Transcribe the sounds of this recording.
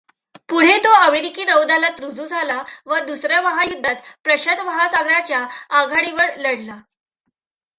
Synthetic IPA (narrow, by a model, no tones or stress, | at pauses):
puɽ̤et̪oəmeɾikiːnəʋd̪alat̪ɾud͡zuːd͡zʱalaʋəd̪usɾjaʋəɦajud̪ʱːat̪pɾəɕəd̪ʋəɦasaɡɾat͡ɕjaːɡʱaɽiʋəɾləɽla